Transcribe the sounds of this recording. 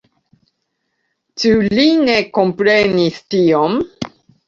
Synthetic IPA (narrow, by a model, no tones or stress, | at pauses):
t͡ʃuline̞ko̞mpɾe̞nistiom